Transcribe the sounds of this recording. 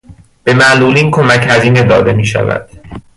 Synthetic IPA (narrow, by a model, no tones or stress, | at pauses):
b̥e̞mæʔluːliːnkʰomæchæziːne̞d̪ɒːd̪e̞miːʃæ̰væ̰d̪̥̚